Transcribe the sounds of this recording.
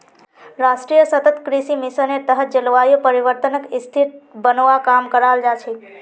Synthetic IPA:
ɾaʃʈɾijəsət̪ət̪kɾiʃimɪsənet̪əɦəd͡ʒəlʋajopəɾiʋəɾt̪ənəkɪst̪ʰit̪̚bənoʋakamkəɾald͡ʒat͡ʃʰe

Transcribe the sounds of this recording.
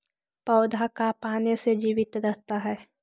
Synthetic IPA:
pɐːʊd̪ʱakapaːnesed͡ʒiːʋɪt̪ɾɛɦt̪aɦɛː

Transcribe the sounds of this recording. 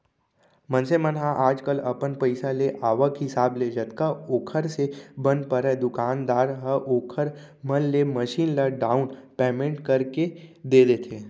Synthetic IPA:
mə̃nsemənɦãʔaːd͡ʒkəlɐpənpəɪsaleʔaːʋəkɦɪsaːbled͡ʒət̪kaoːkʰəɾsebənpəɾɛd̪ʊkaːnd̪aːɾɦəʔoːkʰəɾ | mənleməʃiːnlaɖaːʊnpɛːmẽɳʈkɐɾked̪eːd̪eːt̪ʰeː

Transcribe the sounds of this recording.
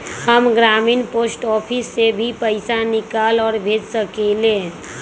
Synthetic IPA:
həmɡɾaːminpoːsʈɔːpʰɪsːebʱipəɪsanɪkaːlɔːɾbʱeːd͡ʒsəkeːlẽː

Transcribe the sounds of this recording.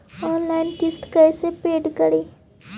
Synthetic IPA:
ɔːnlaːɪnʈɪsʈkɐsepeːɖkəɾeː

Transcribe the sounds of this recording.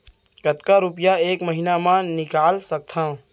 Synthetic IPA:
kət̪kaɾʊpjaeːkməɦinamãnɪkaːlsək̚t̪ʰã

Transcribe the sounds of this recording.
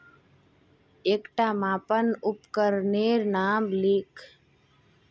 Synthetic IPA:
eːkʈaːmãːpənʊpkəɾneːɾnaːmlikʰ

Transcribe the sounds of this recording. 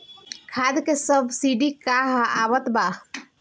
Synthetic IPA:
kʰad̪kesəbʱsiɖikaɦabət̪ba

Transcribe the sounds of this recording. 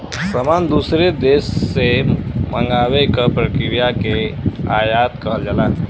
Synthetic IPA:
səmand̪usɾed̪esːeməŋɡaʋekəpɾəkiʋjakea̰jat̪kəld͡ʒala

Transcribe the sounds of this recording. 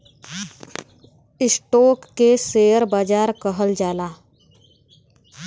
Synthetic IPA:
ɪsʈoːkːeseːjəɾbaːd͡ʒaːɾkəɦəld͡ʒaːlaː

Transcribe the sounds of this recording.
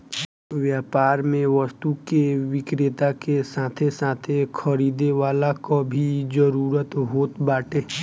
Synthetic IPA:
ʋjaːpaːɾmẽʋəst̪ukeʋɪkɾet̪akesãːt̪ʰesaːt̪ʰekʰəɾiːd̪eʋaːlakobʱid͡ʒəɾuːɾət̪ɦoːt̪baːʈeː

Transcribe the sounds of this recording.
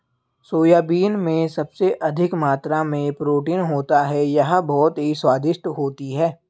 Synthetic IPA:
soːjaːbiːnmẽsɐbseʔɐd̪ʱɪkmaːt̪ɾamẽpɾoːʈiːnɦoːt̪aɦɛjɐɦbɔːt̪ɦiswaːd̪ɪʃʈ̪ɦoːt̪iɦɛː

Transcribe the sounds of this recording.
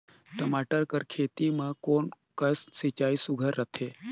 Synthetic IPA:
ʈɐmaːʈəɾkəɾkʰeːt̪imãkoːn | kəssit͡ʃaːisʊɡʱəɾːət̪ʰeː

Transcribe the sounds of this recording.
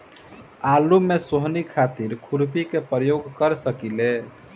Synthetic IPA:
alumesoɦnikʰat̪iɾkʰuɾpikepɾəjoɡkəɾsəkile

